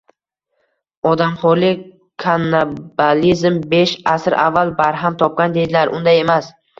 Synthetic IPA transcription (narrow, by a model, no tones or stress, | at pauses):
ɒd̪amχɒɾlɪ | kʰanːabalizmbe̞ʃasɾʔa̰vːalˠbaɾɦamt̪ʰɒp̚kʲand̪e̞d̪ɪlaɾʔʊnd̪aje̞mas